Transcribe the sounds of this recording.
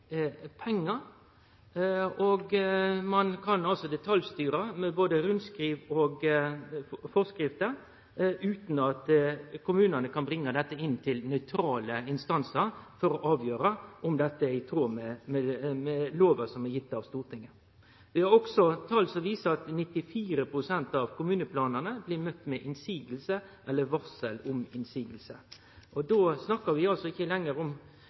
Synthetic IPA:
pʰɛŋːəɾ | ɔɡmɑnkʰɑnɑlsɔd̪ɛt̪ʰɑljst̪yːɾəmɛboːd̪əɾʉnskɾiːʋɔɡ | fɔskɾɪft̪ə | ʉːt̪nɑt̪kʊmʉːnənəkʰɑnbɾɪŋːəd̪ɛt̪ːəɪnːt̪ʰɪlnœʏt̪ʰɾɑːləɪnst̪ɑnsəɾfɔɾɔʔɑːʋjøːɾəʔɔmd̪ɛt̪ːəɪt̪ʰoːmɛmɛmɛloːʋəsɔmɛjɪt̪ːɑʋst̪uːʁʈ̪ʰɪŋːə | ʋɪhɑɾɔksɔt̪ʰɑlsɔʋiːsəɑt̪nɪt̪ːɪfiːɾəpʰɾʊsɛnt̪ɑʋkʰʊmʉːnəpʰlɑːnənəblɪɾmœt̪ːmɛʔɪnsiːɡəlsəʔɛlːəʋɑsəlʊmɪnsiːɡl̩sə | ʔɔd̪oːsnɑkːəɾʋɪɑlsɔɪçːəlɛŋːəɾʊm

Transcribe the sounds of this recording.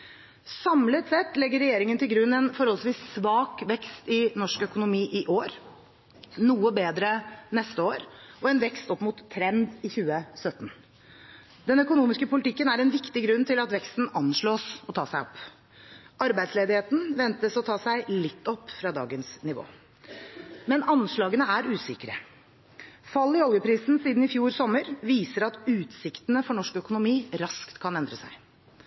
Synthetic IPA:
sɑmlət̪sɛt̪ːlɛɡːəɾɛjeːɾɪŋənt̪ʰɪlɡɾʉnːɛnfɔɾhɔlsʋiːsːʋɑːkʋɛkst̪ɪnɔʂkœkʊnʊmiːʔɪʔoːɾ | nuːəbeːd̪ɾənɛst̪əoːɾʔɔɛnʋɛkst̪ɔpːmʊt̪ʰːɾɛnd̪ɪçʉːəsœt̪n̩ | d̪̥ɛnœkʊnuːmɪskəpʊlɪt̪ʰɪkːənæɾɛnʋɪkt̪ɪɡɾʉnːt̪ɪlɑt̪ʋɛkst̪n̩ɑnʂɭoːsɔt̪ʰɑːsæɪɔpː | ʔɑɾbæɪsleːd̪ɪheːt̪n̩ʋɛnt̪əsɔt̪ʰɑːsæɪlɪt̪ʰːɔpːfɾɑːd̪ɑ̰ːɡənsnɪʋo̰ː | mɛnɑnʂɭɑːɡənəæɾʉːsɪkəɾə̰ | fɑlːɪhɔlɡəpʰɾiːsn̩siːd̪n̩ɪfjuːɾsɔmːəɾʋiːsəɾɑt̪ʉːt̪sɪkt̪ənəfɔɳɔʂkœkʊnʊmiːɾɑskt̪kʰɑnɛnd̪ɾəsæ̰ɪ

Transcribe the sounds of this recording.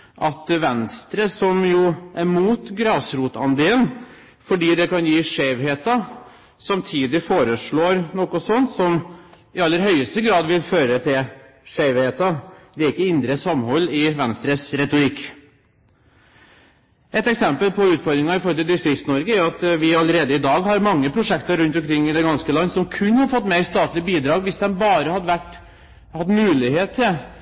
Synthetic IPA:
ʔɑt̪ʋɛnst̪ɾəsɔmjuːʔæɾmuːt̪ɡɾɑːsɾuːt̪ɑnd̪eːən | fɔɖiːd̪ɛkɑnjiːʂeːʋɦeːt̪ɑ | sɑmt̪ʰiːd̪ɪfoːɾəʂɭoːɾnɔkːɔsɔnt̪sɔm | ɪɑlːəɾɦœʏəst̪əɡɾɑːd̪ʋɪlføːɾət̪ʰɪl | ʂeʋheːt̪ɑd̪ɛɪkːəɪnd̪ɾəsɑmhɔlːɪʋɛnst̪ɾəsɾɛt̪ʊɾɪkː | ɛt̪ɛksɛmpəlpʰɔʉːt̪fɔɾd̪ɾɪŋɑɪfɔɾɔlɪld̪ʏst̪ɾɪksnɔɾɡəæʊɑt̪ʋɪɑlːəɾeːd̪əɪd̪ɑːɡɦɑɾmɑŋːəpʰɾʊʂɛkt̪əɾɾʉnt̪ɔmkʰɾɪŋːɪd̪ɛɡɑnskəlɑnːəsɔmkʰʉnːhɑɾfɔt̪ːmɛɪst̪ɑːt̪lɪbiːd̪ɾɑːɡʋɪsd̪ɛnbɑːɾəhɑd̪əʋæʈː | hɑt̪ːmʉːlɪheːt̪ʰːɪl

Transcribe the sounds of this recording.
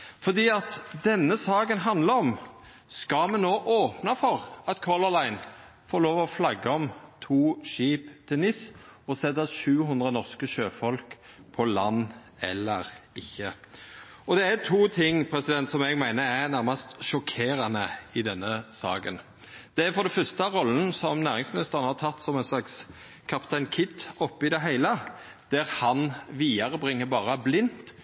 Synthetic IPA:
fɔʁd̪iːɑt̪d̪ɛnːəsɑːkənɦɑnd̪ləɔm | skɑmɛnːoːʔoːpnɑfɔʁɑt̪kʰɔləlæɪn | foːɾloːʋɔflɑɡːəɔmt̪ʰuːʃiːpt̪ʰɪlnɪsɔsɛd̪ɑʃʉːɦʉnd̪ʁənɔʁskəʃøːfɔlk | pʰɔlɑnː | ɛ̰lːəɾɪçːə | ɔd̪ɛæt̪ʰuːt̪ʰɪŋːpʰɾɛsɪd̪ɛnt̪sɔmɛːɡmæɪnəɾæɾnæɾmɑst̪ʃɔkʰeːɾɑnəɪd̪ɛnːəsɑ̰ːkə̰n | d̪̥ɛæɾfɔɾd̪ɛfœst̪əɑɾɔln̩sɔmnæːɾɪŋsmɪnɪst̪əɾənəhɑɾt̪ʰɑt̪ːsɔmɛnslɑks | kʰɑpt̪ʰæɪnkʰɪt̪ːɔpːɪd̪ɛɦæɪlə | d̪̥æɾhɑnʋiːɑɾəbʁɪŋːəbɑːɾəblɪnt̪

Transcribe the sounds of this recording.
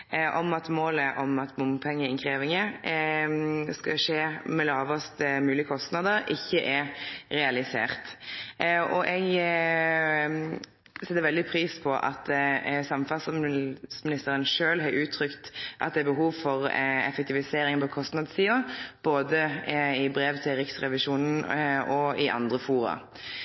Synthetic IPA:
ʔɔmɑt̪moːləʔɔmɑt̪mʊmpʰɛŋːəɪnkʰʁeːʋɪŋə | skɑʂeːmɛlɑːʋɔst̪mʉːlɪəkʰɔst̪nɑd̪əɾɪçːəʔɛɾɛɑlɪsḛːʁt̪ | ʔɔʔɛɡ | sɛt̪ːəɾʋɛld̪ɪpʰɾiːspʰɔʔɑ̰t̪sɑmfɑlssmɪnɪst̪əʁənʂøːlɦɑɾʉːt̪ʰɾʏkt̪ʔɑ̰t̪̚d̪ɛæbəɦuːʋfɔʁɛ̰fɛk̚t̪ʰɪʋɪseːɾɪŋpʰɔkʰɔst̪nɑd̪siːʊb̥oːd̪əɪbɾeːʋt̪ʰɪɾɪksʁɛʋɪʃuːnn̩ɔɪʔɑ̰nd̪ʁəfuːɾɑ̰

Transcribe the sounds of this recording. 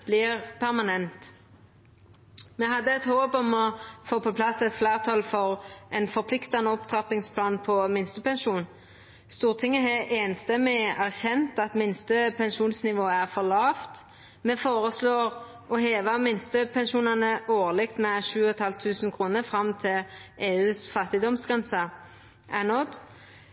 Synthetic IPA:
b̥lɪʁpʰæʁmɑnɛnt̪ | mɛɦɑd̪ːəɛt̪hoːbɔmɔfoːpʰɔpʰlɑsɛt̪flæːʁt̪ʰɑːlfɔʁʔɛnfɔʁpʰlɪkt̪ɑnəɔpt̪ʰʁɑpɪŋspʰlɑːnpʰɔmɪnst̪əpɛnʃuːn | st̪uːʁt̪ʰɪŋːəɦɛʔeːnst̪ɛmɪæʁçɛnt̪ɑt̪mɪnst̪əpʰɛnʃuːnsnɪʋoːəæʁfɔʁlɑːft̪ | mɛfoːʁəsloːʁ | ɔheːʋəmɪnst̪əpʰɛnʃuːnɑnəʔoːʁlɪkt̪mɛʃʉːɔt̪hɑlt̪ʰːʉːsn̩kʰʁuːnəfɾɑmt̪ʰɪlʔeːʉːsfɑt̪ɪd̪ɔmsɡ̥ʁɛnsə | ʔænɔd̪

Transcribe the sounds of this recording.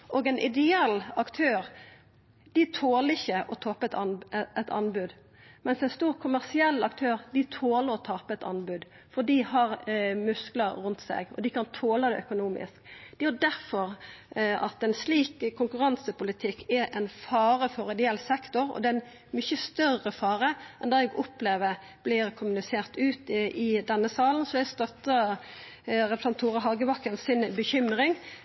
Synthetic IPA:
ʔɔːɡɛɪnʔɪ̰d̪ɛɛlːɑkt̪ʰøːɾ | d̪̥ɪt̪ʰoːləɪçːəʔɔt̪ʰɔpət̪ɛt̪ɑ̰nbʉd̪ | mɛnsɛɪnst̪uːʁkʰʊmæʁsɪɛlːɑkt̪ʰøːʁd̪ɪt̪ʰoːləɾɔt̪ʰɑːpəɛt̪ɑ̰nbʉd̪ | fɔd̪iːhɑʁmʉskləʁʉnt̪sɛ̰ɡɔ̰d̪ɪkɑnt̪ʰoːləd̪ɛœkʊnuːmɪ̰skd̪̥ɛjʊd̪æʁfɔʁ | ɑ̰t̪ɛnsliːkəkʰːʊŋkʉʁɑnsəpʊlɪt̪ʰɪkʰːɛʔɛnfɑːɾəfɔɾɛd̪ɪɛlsɛkt̪ɔɾɔ̰d̪ɛɛn | mʏçəst̪œrəfɑːɾəʔɛnd̪ɑːɛɡɔpːleːʋəɾ | b̥lɪɾkʰʊmʉnɪseːʁt̪ʉːt̪ɪd̪ɛnːəsɑːlənsɔɛst̪œt̪ːə | ɾɛpɾəsɑnt̪ʰːuːʁɑɦɑɡəʋɑkːənsɪnbəçʏmɾɪŋ

